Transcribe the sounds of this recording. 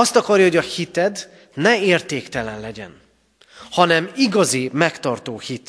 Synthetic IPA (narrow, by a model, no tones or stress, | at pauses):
ɒst̪ɒkɒrjɒho̞ɟɒhit̪ɛd̪ | nɛeːrt̪eːkt̪ɛlɛnlɛɟɛ̰n | hɒnɛmiɡɒzimɛkt̪ɒrt̪oːhit̪